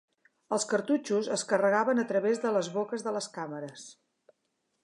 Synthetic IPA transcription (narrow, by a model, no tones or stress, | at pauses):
əlˠskəɾt̪ut͡ʃuzəskərəɣ̞aβənət̪ɾəβezðələzβokəzðələskaməɾəs